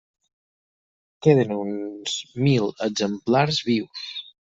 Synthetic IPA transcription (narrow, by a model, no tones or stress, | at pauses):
keðənunz̥miləɡzəmplaɾzβiws